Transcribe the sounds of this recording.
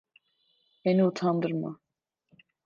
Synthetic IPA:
hɛniut̪ʰand̪ɨɾma̰

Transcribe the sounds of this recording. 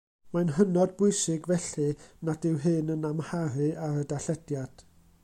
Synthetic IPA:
manɦənɔd̚bʊɨsɪɡvɛɬɨnadɪwɦɨnənamhaɾɨaɾədaɬɛdjad̥

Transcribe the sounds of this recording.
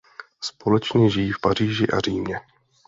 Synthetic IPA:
spo̞lɛt͡ʃɲɛʒɪjiːfpar̝iːʒɪʔa̰r̝iːmɲɛ

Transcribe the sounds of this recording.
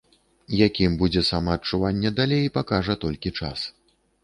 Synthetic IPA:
jakʲimbud͡zʲɛsamɐːtt͡ʂuvanʲːɛd̪alʲejpakaʐɐt̪ɔlʲkʲit͡ʂa̰s

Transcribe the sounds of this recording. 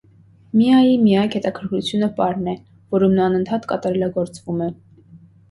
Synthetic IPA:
mijɑjimijɑkhɛt̪ɑkʰəɾkʰut͡sʰjunəpɑɾnɛ | vɔɾumnɑnənt̪ʰɑt̪kɑt̪ɑɾɛlɑɡɔɾt͡svumɛ

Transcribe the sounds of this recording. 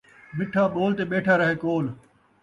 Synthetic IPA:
mɪʈʰaːɓoːlt̪eːɓeːʈʰaːɾɐɦeːkoːl

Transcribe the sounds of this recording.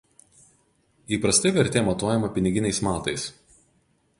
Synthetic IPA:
iːpɾɐsʲt̪ʲɐɪʋʲɛɾʲt̪ʲeːmɐt̪oːjɛmɐpʲɪnʲɪɡʲɪnʲɛɪsmɑːt̪ɐɪs

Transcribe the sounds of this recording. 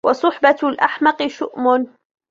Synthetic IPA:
wɑsˤʊħbalʔaħmɑqɨʃʊʔmʊn

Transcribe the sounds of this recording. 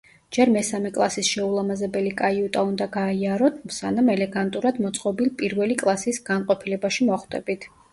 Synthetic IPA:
d͡ʒɛɾmɛsamɛkʼlˠasisʃɛulˠamazɛbɛlikʼaiut̪ʼaund̪aɡaiaɾɔt̪ʰsanamɛlɛɡant̪ʼuɾad̪mɔt̪sʼqʼɔbilpʼiɾvɛlikʼlˠasisɡ̥anqʼɔpʰilɛbaʃimɔχd̪ɛbit̪ʰ

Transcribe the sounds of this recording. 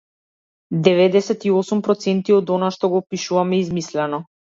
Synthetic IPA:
d̪ɛvɛd̪ɛsɛt̪iɔsumpɾɔt̪sɛnt̪iɔd̪ɔnaʃt̪ɔɡɔpiʃuvamɛizmislɛnɔ

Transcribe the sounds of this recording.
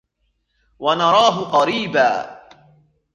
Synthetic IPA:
wanɑɾˤɑːɦʊqɑɾiːbaː

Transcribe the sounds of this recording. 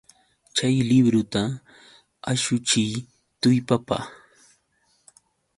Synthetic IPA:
t͡ʃajlɪbɾʊt̪a | aʃʊt͡ʃɪj | t̪ʊjpapa̰

